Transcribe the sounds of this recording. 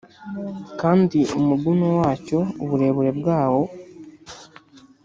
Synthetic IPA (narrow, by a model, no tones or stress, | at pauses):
kaːndiumuɡunowaːco̞uβuɾe̞ːβuɾe̞bɡaːwo̞